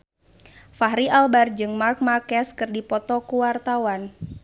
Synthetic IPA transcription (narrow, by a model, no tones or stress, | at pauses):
faɦɾialbard͡ʒɨŋmark̚markɛskɨrdipɔt̪ɔkuwart̪awan